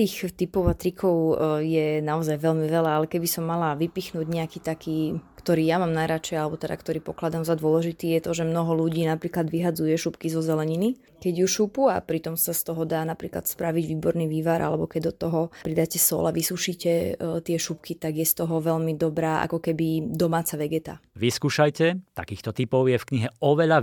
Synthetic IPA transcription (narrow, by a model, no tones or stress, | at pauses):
t̪iːxt̪ipɔʊat̪ɾikʰɔʊjɛnaɔzajʋɛlmiʋɛlaalɛkɛbisɔmːalaʋipixnuːɟɲɛakiːt̪akʰiːkt̪ɔɾiːjamaːmnajɾat͡ʃɛjalɛbɔt̪ɛd̪a̰kt̪ɔɾiːpɔklad̪amzad̪ʊɔlɛʒit̪iːjɛt̪ɔʒɛmnɔɦɔluɟiːnapɾiːklad̪ʋiɦadd͡zujɛʃupkizɔzɛlɛɲini | kɛɟjuʃupua̰pɾit̪ɔmsast̪ɔɦɔd̪aːnapɾiːkla̰t̪spɾaʋiɟʋiːbɔɾniːʋiːʋaɾʔa̰lɛbɔkɛɟd̪ɔt̪ɔɦɔpɾid̪acɛsɔ̰laʋisuʃiːcɛt̪ɪɛʃup̚kit̪aɡjɛst̪ɔɦɔʋɛʎmid̪ɔbɾaːʔa̰kɔkɛbid̪ɔmaːt͡saʋɛɡɛt̪a̰ʋiskuːʃajcɛt̪a̰kiːxt̪ɔt̪ipɔʊjɛfkɲiɦɛɔʋɛʎa